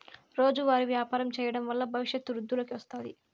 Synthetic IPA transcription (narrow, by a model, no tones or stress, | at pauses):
ɾo̞ːd͡ʒuʋaːɾiʋjaːpaːɾɐmt͡ʃɛːjɐɽɐmʋɐlːɐbʱɐʋiʃjɐt̪ːuɾud̪ʱːulokiʋɐst̪aːd̪i